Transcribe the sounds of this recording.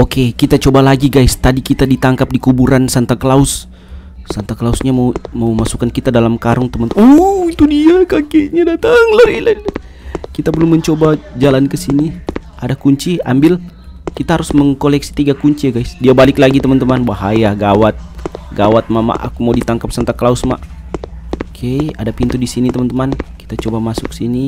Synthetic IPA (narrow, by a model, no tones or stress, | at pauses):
okekit̪at͡ʃobalaɡiɡajst̪adikit̪adit̪aŋkap̚dikubuɾansant̪akəlaʊsː | ant̪akəlausɲamamawmasu̥kankit̪adalamkaɾʊŋt̪əmant̪oit̪udiakakeɲadat̪aŋlaɾila | kit̪abəlʊmːəɲt͡ʃobad͡ʒalankəsiniʔadakuɲt͡ʃia̰mbɪl | kit̪aɦaɾʊsməŋkolɛksi̥t̪iɡakuɲt͡ʃiɡajsdiabalɪklaɡit̪əmant̪əmanbaɦajaɡawat̪̚ɡawat̪̚maʔma̰ʔa̰kumawdit̪aŋkap̚saŋt̪akəlaʊsma̰ʔ | kʰejadapint̪udisinit̪əmant̪əmanki̥t̪at͡ʃobamasʊkə̥sini